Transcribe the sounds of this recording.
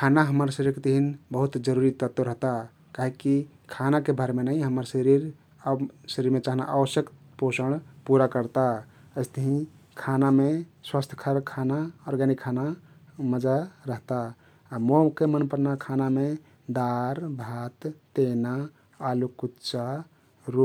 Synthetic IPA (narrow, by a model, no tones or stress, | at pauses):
kʰanaɦəməɾsəɾiɾket̪əɦinbəɦut̪d͡ʒəɾuɾit̪ət̪ɾəɦt̪a | kaɦiki | kʰanakebʱəɾmenaĩɦəməɾsəɾiɾ | səɾiɾmet͡ʃaɦna̰ʔaʋəsjəkt̪ | posəɽ̃puɾakəɾt̪a | əɪst̪əɦĩ | kʰanameswast̪ʰə̥kʰəɾkʰanaɔɾɡanikʰana | məd͡ʒaɾəɦt̪aː | mokemənpəɾnakʰaname | d̪aɾbʱat̪ː | enaː | lukut̪t͡ʃa | ɾu